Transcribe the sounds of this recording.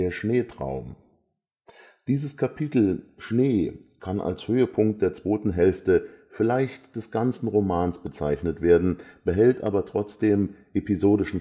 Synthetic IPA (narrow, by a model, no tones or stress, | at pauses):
eːɐʃneːtʁ̥a̰ʊm | d̥iːzəskʰapʰitl̩ʃneːkʰanʔa̰lshøːəpʰʊŋk̚t̚d̥eːɐt͡sv̥oːtn̩ɦɛlftəfɪlaɪçtd̥ɛsɡ̥ant͡sn̩ʁomaːnsb̥ət͡saɪçnətv̥eːɐdn̩b̥əɦɛltʔa̰ːbɐtʁ̥ɔt͡sd̥eːmʔepizoːdɪʃn̩